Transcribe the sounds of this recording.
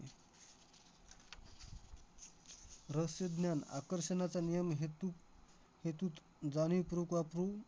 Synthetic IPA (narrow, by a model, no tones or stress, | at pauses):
ɾəsjəd̪njana̰kəɾɕənat͡sanijəmɦet̪u | het̪ut̪ | d͡zanipɾukʋapɾu